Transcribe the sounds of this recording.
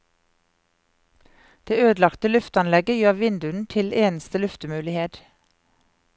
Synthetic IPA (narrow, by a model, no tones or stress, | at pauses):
d̪̥eːøːd̪lɑkt̪əlʉft̪ɑnlɛɡəjøːʋɪnd̪ʉn̩t̪ʰɪleːnəst̪əlʉft̪əmʉːlɪheːd̪